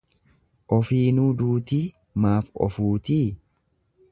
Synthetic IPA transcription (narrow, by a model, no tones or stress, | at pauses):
ʔɔfiːnuːd̪uːt̪iː | maːfɔ̰fuːt̪iː